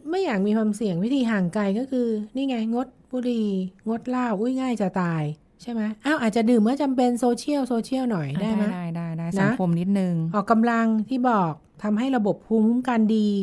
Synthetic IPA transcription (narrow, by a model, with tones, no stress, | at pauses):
ma˥˩jaː˨˩k̚miː˧kʰwaː˧msi˨˩əŋwi˦˥t̪ʰiː˧ɦaː˨˩ŋka˧jkɔː˥˩kʰɯː˧niː˥˩ŋaː˧˩jŋo˦˥t̪̚buː˧ɾiː˧ŋo˦˥t̪̚laː˥˩wʔu˦˥˩jŋaː˥˩jt͡ɕa˨˩t̪aː˧j | t͡ɕʰa˥˩jma˦˥jʔaː˧˥˩wʔaː˨˩t͡ɕa˨˩dɯː˨˩mːɯ˦˥˩t͡ɕa˧mpe˧nsoː˧t͡ɕʰi˥˩əwsoː˧t͡ɕʰi˥˩əwnɔ˨˩jdaː˥˩jma˦˥a˥˩jdaː˥˩jdaː˥˩na˦˥kʰo˧mni˦˥t̪̚nɯ˨˧ŋʔɔː˨˩kːa˧mla˧ŋt̪ʰiː˥˩bɔː˨˩k̚t̪ʰa˧mɦa˥˩jɾa˧bo˨˩p̚kʰu˧˥mu˦˥mka˧ndiː˧